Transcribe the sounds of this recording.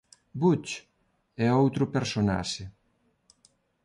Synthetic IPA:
but͡ʃ | ɛowt̪ɾʊpeɾsona̰ʃɪ

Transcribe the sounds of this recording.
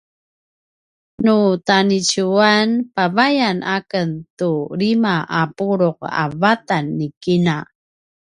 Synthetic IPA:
nutanit͡ɕuanpavajanʔakəntuɭimaʔapuɾuq̚a̰vatanːikina

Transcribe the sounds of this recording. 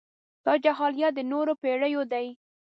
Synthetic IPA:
t̪ɑd͡ʒaɦɑljɑd̪ənoɾopeɽəjod̪aj

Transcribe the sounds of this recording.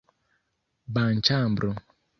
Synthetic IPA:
ban̩t͡ʃambɾo

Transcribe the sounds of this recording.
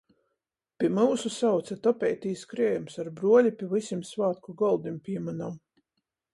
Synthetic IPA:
pʲiɛmuːsusawt̪sat̪ɔpʲɛjt̪iːskɾiɛjumsaɾbɾuɔlʲipʲiɛvisʲimsvaːt̪kuɡɔlˠd̪impʲiɛmanam

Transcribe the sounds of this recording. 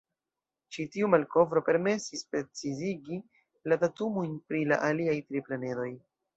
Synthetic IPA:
t͡ʃitiumalko̞vɾo̞pe̞ɾme̞sispɾe̞t͡siziɡi | latatumujnpɾila̰ʔaliajtɾiplane̞do̞j

